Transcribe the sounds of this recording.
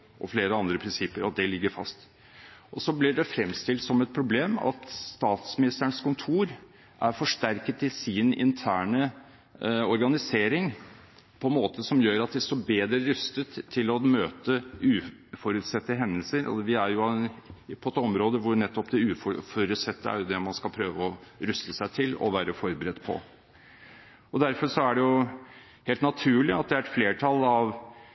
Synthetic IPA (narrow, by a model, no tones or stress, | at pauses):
ʔɔ̰fleːɾəɑnd̪ɾəpʰɾɪnsɪpːəɾɑt̪̚d̪ɛlɪɡːəɾfɑ̰st̪ | ʔɔsɔblɪɖɛfɾɛmːst̪ɪlt̪sɔmɛt̪̚pʰɾʊbleːmɑ̰t̪st̪ɑːt̪smɪnɪst̪əɳskʊnt̪ʰuːɾ | ʔæɾfɔʂʈæɾkət̪ɪsɪnɪ̰nt̪ʰæːɳə | ɔɾɡɑnɪseːɾɪŋ | pʰɔnmoːt̪əsɔmjøːɾɑt̪̚d̪ɛst̪ɔbeːd̪ɾəɾʉst̪ət̪ʰːɪlɔmøːt̪əʉːfɔɾʉt̪sɛt̪ːəɦɛnd̪əlsəɾɔ̰ʋɪæɾjʊ | pʰɔɛt̪ɔmɾoːd̪əʋʊɾɳɛt̪ːɔpd̪ɛʉːfɔfɔɾʉt̪sɛt̪ːəæ̰ɾjʊd̪ɛmɑnskɑlpʰɾøːʋəɔɾʉst̪əsæɪt̪ʰɪlɔ̰ʋæːɾəfɔɾbəɾɛd̪ːpʰɔ̰ | ɔd̪æɾfɔɾʂɔæɖɛjʊ | heːlt̪nɑt̪ʰʉːlɪɑt̪̚d̪ɛæɾɛt̪fleːʈʰɑlɑʋ